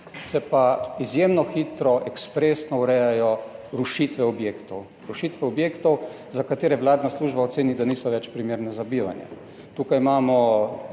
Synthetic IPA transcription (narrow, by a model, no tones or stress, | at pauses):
sɛpaizjeːmnɔxiːt̪ɾɔʔɛkspɾeːsnɔuɾɛjajɔɾuʃit̪ʋɛɔbjeːkt̪ɔw | ɾuʃit̪ʋɛɔbjeːkt̪ɔw | zakat̪eːɾɛʋlaːd̪nasluːʒbaɔt̪seːnid̪aniːsɔʋɛt͡ʃpɾimeːɾnɛzabiːʋa̰njɛ̰ | t̪uːkajmaːmɔ